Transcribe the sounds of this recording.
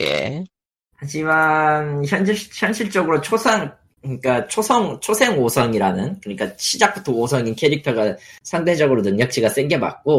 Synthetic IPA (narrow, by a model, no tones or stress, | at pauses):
jḛ | had͡ʑimançjʌnɕiçjʌnɕʰiɭt͡ɕ͈ʌɡɯɾot͡ɕʰosʰaŋ | kɯɲik͈at͡ɕʰosʰʌŋt͡ɕʰosʰe̞ŋosʰʌŋiɾanɯnkɯɲik͈aɕʰid͡ʑak̚p͈utʰʌosʰʌŋinkʰe̞ɾik̚tʰʌɡasʰaŋde̞d͡ʑʌɡɯɾonɯŋɲʌk̚t͡ɕ͈ʰiɡas͈e̞ŋɡeba̰k̚k͈o